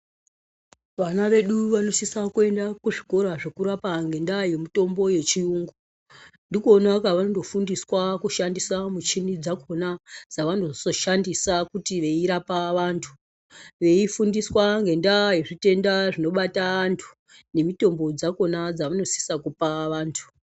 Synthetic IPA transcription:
ʋanaʋe̞ɗuʋano̞sisakue̞ndakuʐiko̞ɾaʐe̞kuɾapaŋɡe̞ndaje̞mito̞mbo̞je̞t͡ʃiuːŋɡo | ndikuonakaʋanondo̞fundiswakuʃandisamut͡ʃinid͡zako̞nad͡zaʋanozoso̞ʃandisakutiʋe̞iɾapaʋantʰu̥ | ʋe̞ifundiswaŋɡe̞ndajeʐite̞ndaʐino̞ɓataantʰu̥ | ne̞mito̞mbo̞d͡zako̞nad͡zaʋano̞si̥sakupaʋaːntʰu̥

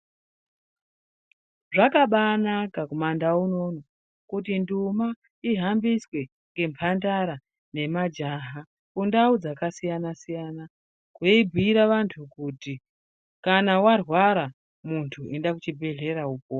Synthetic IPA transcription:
ʐakaɓanakakumandauno̞no | kutinduma | iɦambiswe̞ | ŋɡe̞mpʰandaɾa | ne̞mad͡ʒaɦa | kundaud͡zakasijanasijana | kweibʱiiɾaʋantʰukuti | kanawarwaɾa | muntʰuendak̬ut͡ʃibʱe̞ɮe̞ɾauːpo

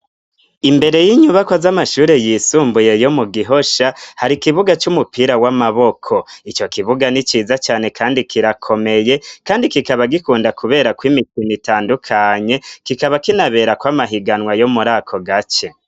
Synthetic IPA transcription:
imbe̞ɾe̞jiɲuβakwazamaʃuːɾe̞jisuːmbujejo̞muɡiɦo̞ʃahaɾikiβuɡat͡ʃumupʰiɾawamaβo̞kʰo̞it͡ʃo̞kiβuɡanit͡ʃiːzat͡ʃaːne̞kʰaːndikʰiɾakʰo̞me̞je̞kaːndikikaβaɡikuːndakʰuβe̞ːɾakwimikinitaːndukʰaɲe̞kikaβakinaβe̞ɾakwamaɦiɡanwajo̞muɾakʰo̞ɡat͡ʃe̞

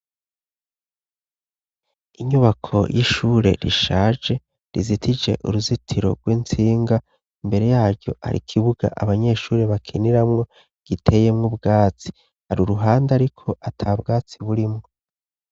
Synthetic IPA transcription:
iɲuβakʰo̞̰jʔiʃuːɾe̞̰ɾḭʃaːd͡ʒe̞ | ɾizitʰid͡ʒe̞̰ʔuɾuzitʰiɾo̞̰ɡwiːnt͡siːŋɡa | imbe̞ɾe̞jaːɾɟo̞̰ʔa̰ɾḭkʰiβuɡa̰ʔa̰βaɲe̞ʃuːɾe̞βakʰiniɾamŋo̞ | ɡ̥itʰe̞je̞mŋubɡaːt͡si̥ | haɾuɾuɦaːndeaɾikʰo̞ʔatʰabɡaːt͡siβuɾimŋo

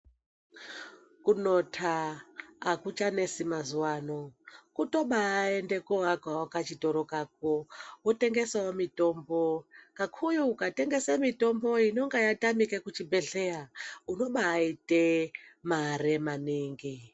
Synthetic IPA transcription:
kuno̞tʰaː | kut͡ʃane̞simazuwaːnokuto̞ɓaːe̞nde̞koɦakawokat͡ʃito̞ɾokak̚owote̞ŋɡe̞saomito̞mbokakʰujuːkate̞ŋɡe̞samito̞mbo̞ino̞ŋɡajatamikekut͡ʃibʱe̞ɮe̞jauno̞ɓaːitemaɾemaniːŋɡi

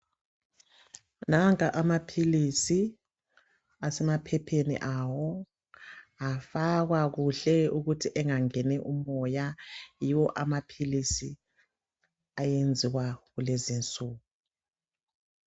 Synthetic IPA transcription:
naŋkʼaʔamapʰilisi | asɛmapʰɛpʰenḭʔawɔ | afaɣwaɣuɬɛuɣutʰiʔɛŋaŋɛnɛʔumɔjajiwɔʔamapʰilisi | ajend͡zʱiɣwaɣulezint͡sʼuːɣu

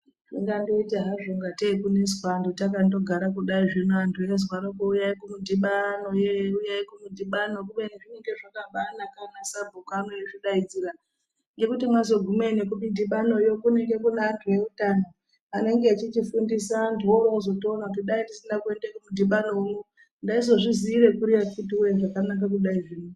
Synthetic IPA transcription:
tiŋɡandoiteɦaʐoŋɡatekune̞zwandotak̬ando̞ɡʱaɾak̬uɗaiʐinoantʰuje̞zwaɾokoujaikumudiɓanojeujajkumudʱiɓanokuɓeneʐineŋɡe̞ʐakaɓanakanasabʱokanojeʐiɗaid͡ziɾa | ŋɡe̞kutimwazo̞ɡʱumenekumidʱiɓano̞jokune̞ŋɡe̞kunaːntʰuje̞utaːno | ane̞ŋɡeat͡ʃit͡ʃifundisandioɾouzo̞toːnaut̬iɗaindisindakue̞ndekumudʱiɓano̞uno | ndaizo̞ʐiziːɾe̞kuɾijafut̬iujeʐakanak̬ak̬uɗaiʐiːno

